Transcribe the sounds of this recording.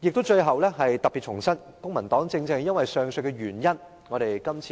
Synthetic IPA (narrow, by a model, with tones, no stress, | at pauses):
jɪ˨k̚t̪ʊ˥wt͡ʃɵ˧ɥɦɐ˨wlɛː˥ɦɐ˨jt̪ɐ˨p̚pːi˨t̚t͡ʃʰʊ˨˩ŋsɐ˥n | kʊ˥ŋmɐ˨˩nt̪ɔː˨˥ŋt͡sɪ˧ŋt͡sɛ˧jɐ˥nwɐ˨jsœː˨ŋsɵ˧jkɛ˧ɥyː˨˩njɐ˥n | ŋɔː˨˧ɾe˨jkɐ˥mt͡sʰiː˧